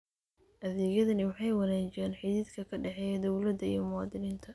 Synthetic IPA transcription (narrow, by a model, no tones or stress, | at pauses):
ʔɐðɛːɣjɐðɐnɪwɑħɑjwɑnaːt͡ʃɪɛːnħɪðiːd̪kʰɐkʰɐɖɛħɛd̪ɔwlɐd̪ɐḭjɞmʊwɑːd̪ɪniːnt̪ʰɐ